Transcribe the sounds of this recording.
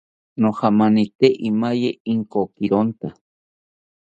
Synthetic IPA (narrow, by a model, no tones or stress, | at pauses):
nohamanit̪eʔimajeiŋkokiɾont̪a